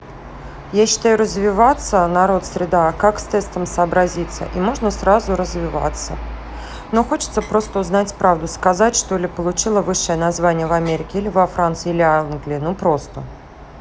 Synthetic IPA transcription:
jaɕːɪ̥t̪ajʊɾəzvʲɪvat̪sənaɾo̞t̪sʲɾʲɪd̪akakst̪ɛst̪əmsəːbɾɐzʲit̪sːə̰ʔimo̞ʐnəsrazʊɾəzvʲɪva̰t̪sə | noxo̞t͡ɕɪ̥t̪səpɾo̞st̪əʊznatʲpɾavd̪ʊskazatʲʂt̪olʲɪpəlˠʊt͡ɕilˠəvɨʂːəjənazvanʲɪjəvɐmʲeɾʲɪkʲɪilʲɪvɐfɾant̪sɨjilʲɪanɡlʲɪːnupɾo̞st̪ə

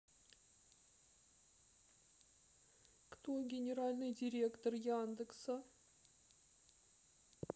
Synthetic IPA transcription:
kt̪oɡʲɪnʲɪɾalʲnɨjdʲɪɾʲe̞kt̪ərjand̪ɨksə

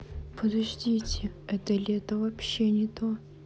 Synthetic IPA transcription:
pʰəd̪ɐʐdʲitʲɪ | ɛt̪əlʲɪɛt̪əvɐpɕːenʲɪt̪o

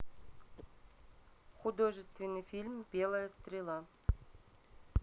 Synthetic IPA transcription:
χʊd̪oʐɨst̪vʲɪnːɨjfʲilʲmbʲe̞lˠəjəst̪ɾʲɪlˠa

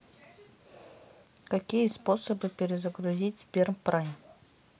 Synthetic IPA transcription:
kakʲijəsposəbɨpʲɪɾʲɪzəɡɾʊzʲitʲbʲermpɾanʲ

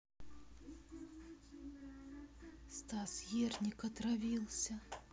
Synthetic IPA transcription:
st̪asjernʲɪkɐt̪ɾavʲilˠsʲə

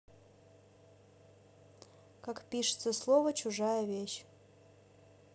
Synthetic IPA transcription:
kakpʲiʂɨ̥t̪səslˠovət͡ɕuʐajəvʲeɕ

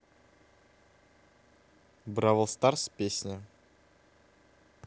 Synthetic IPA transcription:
bɾavəlˠst̪arspʲesʲnʲɪ

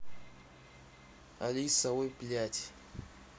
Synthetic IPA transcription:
alisawebilatʰi̥

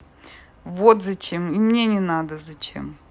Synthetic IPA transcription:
vot̪zɐt͡ɕemimnʲenʲɪnad̪əzɐt͡ɕḛm

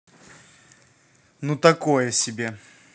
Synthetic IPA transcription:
nut̪ɐkojəsʲɪbʲe

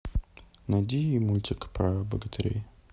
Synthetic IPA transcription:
nɐd̪ʲiimulʲt̪ʲɪkpɾabə̰ɡət̪ʰɐɾʲḛj

